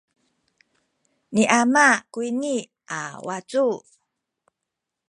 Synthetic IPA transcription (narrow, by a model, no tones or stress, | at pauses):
niʔamakuini | ʔawat͡su